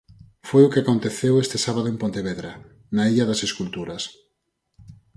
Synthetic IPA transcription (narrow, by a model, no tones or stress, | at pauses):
fojʊkeakont̪eθewest̪esaβað̞oẽmpont̪eβeðɾa | naiʎaðaseskult̪uɾɐs